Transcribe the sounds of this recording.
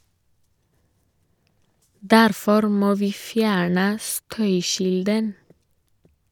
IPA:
ˈdæɾfɔɾ ˈmoː ˈʋiː ˈfjæːɳə ˈstœʏˌçɪldən

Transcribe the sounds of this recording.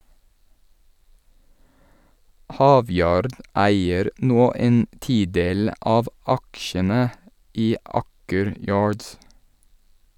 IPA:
ˈhɑːˌʋjɑːɾd ˈæɪəɾ ˈnoː ˈeːn ˈtiːˌdeːl ˈʔɑːʋ ˈɑkʃənə ˈʔiː ˈʔɑːkəɾ ˈjɑːɹds

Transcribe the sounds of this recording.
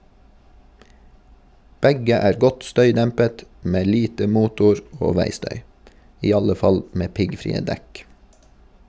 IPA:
ˈbɛɡə ˈæːɾ ˈɡɔt ˈstœʏˌdɛmpət ˈmeː ˈliːtə ˈmuːtʊɹ ˈoː ˈʋæɪˌstœʏ ˈiː ˈɑlə ˈfɑl ˈmeː ˈpɪɡfɾiːə ˈdɛk

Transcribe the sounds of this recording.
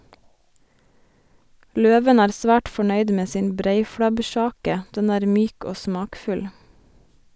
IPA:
ˈløːʋən ˈæːɾ ˈsʋæːʈ fɔˈɳœʏd ˈmeː ˈsɪn ˈbɾeɪfɽɑbˌʃɑːkə ˈdɛn ˈæːɾ ˈmyːk ˈoː ˈsmɑːkfʉl

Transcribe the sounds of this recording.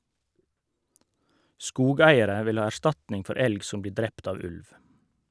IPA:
ˈskuːˌɡæɪəɾə ˈʋɪl ˈhɑː æˈʃtɑtnɪŋ ˈfɔɾ ˈɛlɡ ˈsʊm ˈbliː ˈdɾɛpt ˈɑː ˈʉlʋ

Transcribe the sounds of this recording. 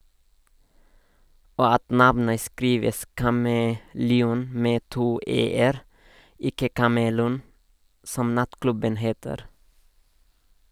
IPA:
ˈoː ˈɑt ˈnɑʋnə ˈskɾiːʋəs kɑməlɛˈuːn ˈmeː ˈtuː ˈeːəɾ ˈɪkə kɑməˈluːn ˈsɔm ˈnɑtˌklʉbən ˈheːtəɾ

